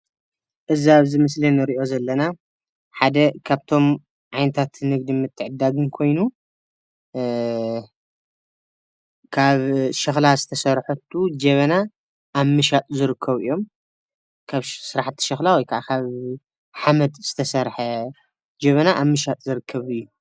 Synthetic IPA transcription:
ʔɨziaβzɨmɨslinɨɾiʔo̞zɐlːɐna | ħad̪ɐkʰaβt̪ʰo̞m | ʕajnɐt̪ʰat̪nɨɡd̪imɨt̪ʰːɨʕɨd̪ːaɡɨnkʰo̞jnu | kʰaβʃɐxlazɨt̪ʰɐsɐɾħot̪ʰːud͡ʒɐβɐna | ʔːβmɨʃat̪ʼzɨɾɨkʰːɐβɨ̰jːo̞m | kʰaβsɨɾaħt̪ʰːi̥ʃɐxlawɐjkʰaʕakʰaβ | ħamɐd̪z̥ɨt̪ʰɐsɐɾħɐ | d͡ʒɐβɐnaʔaβmɨʃat̪ʼzɨɾɨkʰːɐβɨjːu

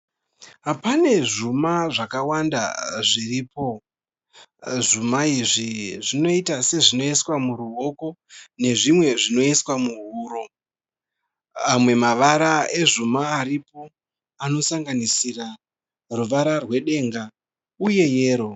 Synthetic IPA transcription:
pane̞ʐumaʐakawanda̰ʐiriːpo̞ | ʐumaiʐiʐino̞itase̞ʐino̞eswamuɾuɦo̞ko̞ne̞ʐimwe̞ʐino̞eswamuɦuːɾo̞ | amwe̞maʋaɾae̞ʐumaːɾipo̞ | ano̞saŋɡanisira | ruʋaɾarwe̞ɗe̞ŋɡa | uje̞je̞ːɾo̞

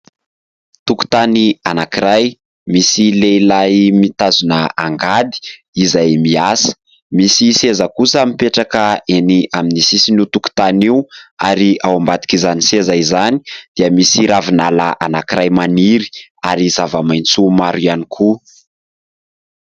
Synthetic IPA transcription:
t̪uku̥t̪anianakiɾaj | misileilajmit̪azunəaŋɡad̪i̥ | izajmiasə̥ | misisezəkusəmipeʈ͡ʂakəeniaminisisiniut̪uku̥t̪aniuaɾiawambat̪i̥kizanisezaizani̥d̪̥iəmisiɾavinala̰ʔanakiɾajmaniɾi̥aɾizavəmajnt͡sumaɾuanikʰu

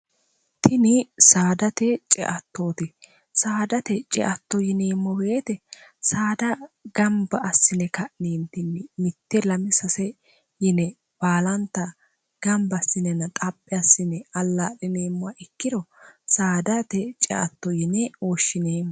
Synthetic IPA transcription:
t̪ʰɪnɪsaːd̪ɐt̪ɛt͡ʃʼɛ̰ʔɐt̪ːoːt̪ɪ | saːd̪ɐt̪ɛt͡ʃʼɛ̰ʔɐt̪ːɔjɪneːmːɔbeːt̪ɛsaːd̪ɐɡɐmbɐʔːsːɪnɛkɐʔneːnt̪ɪnːɪmɪt̪ːɛlɐmɪsɐsɛ | jɛnɛ | b̥aːlɐnt̪ːɐ | ɡ̥ɐmbɐsːɪnɛnɐt̪ʼɐpʼːɛɐsːɪnɛɐlːaɗɪneːmːʊwaʔɪkːɪd̪ɔsaːd̪ɐt̪ɛt͡ʃʼɛ̰ʔɐ̰t̪ːɔjɪnɛoːʃːɪneːm

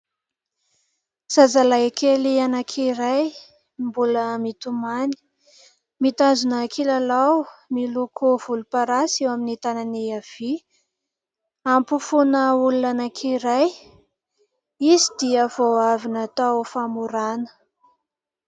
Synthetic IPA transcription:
sazalakelianakʰiɾaj | mbuləmit̪umani̥ | mit̪azunəkʰilalawmilukʰuv̥ulupaɾasewaminit̪ananiav̥i | ampufunəulunanakʰiɾaj | izid̪iəvoavinat̪awfamuɾanə̥

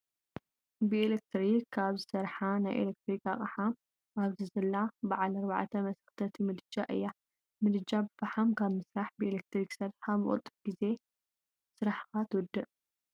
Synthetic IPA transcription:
bɨelek̚t̪ɾikʰːaβzɨsɐɾħanajʔḛlek̚t̪ɾika̰χʼaħam | ʔaβzɨzɐlːabaʕalɐɾβaʕt̪ʰɐmɐsɐ̥xt̪ʰɐt̪ʰimɨd̪ɨd͡ʒaʔɨjːa | mɨd̪ɨd͡ʒabɨfaħamkʰaβmɨsɾaħbɨelek̚t̪ɾiksɐɾxamɨ̰χʼɨ̰t̪ʼːɨbɡ̥ize̞ | sɨɾaħxat̪ʰɨwɔd̪ɨʔ

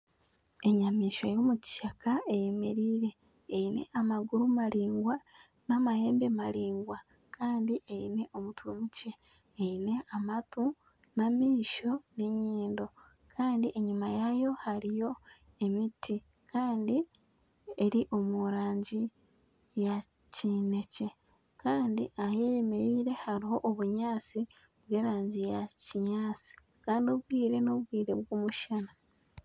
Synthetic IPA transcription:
e̞ɲamiːʃajo̞ːmuci̥ʃakaejemeɾiːɾe̞ː | ine̞̰ʔamaɡuɾumaliːŋɡwa | namahe̞ːmbemaliːŋɡwa | kʰaːndiʔeine̞ʔo̞mutuwemuce̞ː | ine̞ʔamatu | namiːʃo̞neɲiːndo̞ | kʰaːndiʔe̞ɲumajajo̞haɾijo̞ | e̞mitʰi | kʰaːndi | e̞ɾiʔo̞muɾaːɲɟi | ja | cine̞ce̞ | kaːndḭʔaheːjemeɾiːɾe̞haɾiɦo̞ʔoβuɲaːt͡si | βwe̞ːɾaːɲɟijaciɲaːt͡si̥ | kaːndio̞βwiːɾe̞no̞βwiːɾe̞βwoːmuʃana

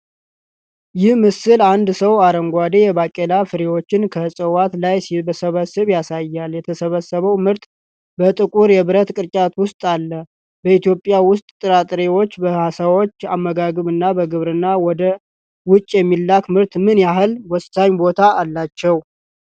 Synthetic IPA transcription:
jɪhmɨsɨland̪səwaɾəŋɡʷad̪ejɛbakʼelafɨɾewo̞t͡ʃːɪnkʰəsʼəwat̪lajsibəsəβəsːɨβjasajːaljɛt̪ʰəsəβəsːəβəwmɨɾt̪ʼ | bət̪ʼɨkʼuɾjɛβɨɾət̪kʼɨɾt͡ʃʼat̪wʊst̪ʼalːə | bəit̪jo̞pʼːjawʊst̪ʼt̪ʼːɨɾat̪ʼɾewo̞t͡ʃːbəhasawo̞t͡ʃːamːəɡaɡɨβɨnːabəɡɨβɾɨnːawɔd̪ə | wʊt͡ʃʼːjɛmːilːakmɨɾt̪mɨnjaɦɨlwɔsaɲbo̞t̪ʰaːlːat͡ʃːɛw

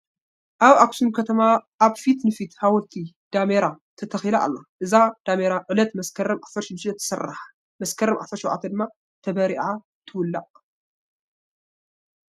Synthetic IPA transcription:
ʔaβaksunkʰɐt̪ʰɐmaʔːβfit̪nɨfit̪hawɔlt̪ʰi | d̪̥ameɾa | t̪ʰɐt̪ʰɐxilaʔa̰lːoʔɨzad̪̥ameɾaʕɨlɐt̪mɐskʰɐɾɐmʔafɐɾʃɪd̪ʃɐt̪ʰɨ̥sɐrħḁ | mɐskʰɐɾɐmʔa̰fɐɾʃɔwʔa̰t̪ʰɐd̪ɨmːa | t̪ʰɐβɐɾiʔʕa | t̪ʰɨwʊlːa̰ʔ

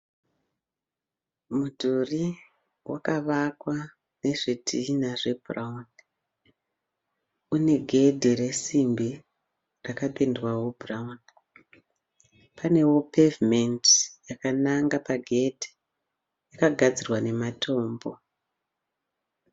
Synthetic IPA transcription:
mudʱuri | wakaʋakwa | ne̞ʐedʰʱinaʐe̞bʱuraun | une̞ɡʱe̞dʱiɾe̞simbi | rakaɓendwawubraun | pane̞wo̞pevimentijakanaŋɡapaɡʱe̞dʱi̥ | jakaɡʱad͡zirwane̞mato̞ːmbo̞

